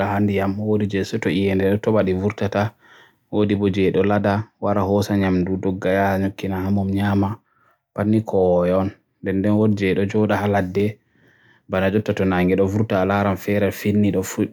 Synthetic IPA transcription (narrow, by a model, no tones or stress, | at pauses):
ahandijamwodid͡ʒɛsɔtɔijɛndɛɗɔtɔɓaɗivuɾtata | wodibɔd͡ʒɛɗɔladawaɾahɔsaɲamdudɔɡːajaɲokːinahamɔmɲaːma | panːikʰɔwjɔn | dɛndɛnwodd͡ʒɛɗɔd͡ʒɔɗahaladːɛ | banad͡ʒɔtːatɔnaŋɡɛɗɔvuɾtalaɾanfɛɾɛlfinːiɗɔfu